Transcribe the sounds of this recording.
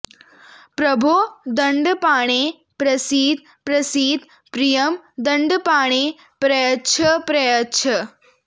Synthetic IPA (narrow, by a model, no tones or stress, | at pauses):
pɾɐbʱod̪əɳɖpaːɽ̃e | pɾɐsiːd̪̚ | pɾɐsiːd̪ | pɾijəmd̪əɳɖpaːɳ̃e | pɾəjətːʃʰəpɾɐjətːʃʰə